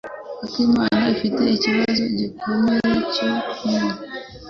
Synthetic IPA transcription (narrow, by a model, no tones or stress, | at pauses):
atimaːnaifite̞iciβazoɟikomeecoku